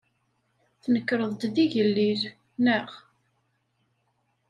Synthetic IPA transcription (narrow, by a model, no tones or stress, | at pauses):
θnəkːɾˤəðˤt̪ðiʝəlːið | nəʁ